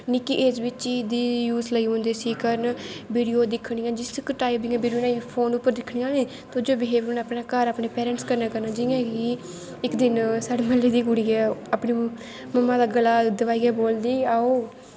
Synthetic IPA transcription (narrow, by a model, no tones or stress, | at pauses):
nɪkiʔeːd͡ʒbɪt͡ʃiːd̪iːjuːzləiːɦõːnd̪eːsiːkəɾnbiːɽijoːd̪ɪkʰɽiːãːd͡ʒɪskʈaːibɪ̃ŋːbiːɽioːnaːipʰoːnʊpːəɾd̪ɪkʰːɳiːãːnĩː | t̪od͡ʒoːbɪɦeːbɾunaːpnaːkəɾaːpɳeːpɛːɾə̃ɳʈskəɾnaːkəɾnaːd͡ʒɪãːki | ɪkd̪ɪnsaːɽeːməleːd̪iːkʊɽiːɛːaːpɳiː | məmːaːd̪aːɡəlaːd̪əʋaːiːɡɛːboːld̪iːaːoː